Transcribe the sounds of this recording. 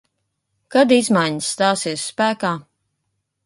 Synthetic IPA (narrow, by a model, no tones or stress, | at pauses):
kad̪izmajɲəsːt̪aːsiɛsːpæːkaː